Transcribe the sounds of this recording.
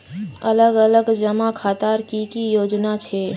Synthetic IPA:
ələɡələɡd͡ʒəmakʰat̪aɾkikijoːd͡ʒnat͡ʃʰe

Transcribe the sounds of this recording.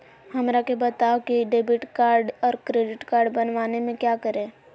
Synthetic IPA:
hɐmɾakebət̪aːokiɖeːbɪʈkaːɾɖɔːɾkɾeːɖɪʈkaːɾɖbɐnʋaːnemẽkjakəɾẽː

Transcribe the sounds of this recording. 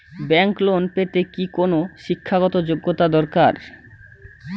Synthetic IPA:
bɛŋklonpet̪ekikonoʃikʰːaɡɔt̪od͡ʑoɡːot̪ad̪ɔɾkaɾ

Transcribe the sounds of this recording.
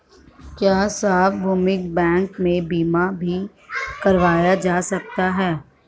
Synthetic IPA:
kjaːsaːfbʱuːmɪk̚bɛ̃ːŋkmẽbiːmabʱi | kɐɾʋaːjad͡ʒaːsɐk̚t̪aɦɛː

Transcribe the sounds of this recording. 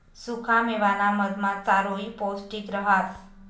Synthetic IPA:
sukʰameʋanaməd̪mãt͡saɾoiposʈikɾəɦas

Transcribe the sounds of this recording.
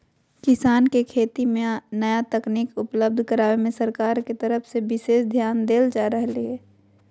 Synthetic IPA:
kɪsaːnkekʰeːt̪imẽnəjat̪ɐkniːkʊpləb̚d̪ʱkəɾaːʋemẽsəɾkaːɾket̪əɾəfsebɪʃeːʃd̪ʱjaːnd̪eːld͡ʒaːɾəɦlieː

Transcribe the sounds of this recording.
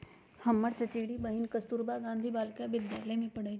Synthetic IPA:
həmːəɽt͡ʃət͡ɕeɽibəɦinkəst̪uːɾbaɡãnd̪ʱibaːlkaʋɪd̪jaːləjmẽpəɽə

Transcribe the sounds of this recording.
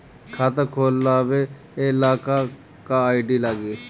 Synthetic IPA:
kʰaːt̪əkʰoːlːaːʋeː | ɪlaːka | kaaːɪɖiːlaɡeː

